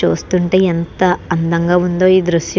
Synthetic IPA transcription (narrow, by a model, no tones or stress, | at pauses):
uːst̪uɳʈe̞ːent̪ɐɐnd̪ɐŋɡaːund̪o̞ːiːd̪ɾuʂjɐ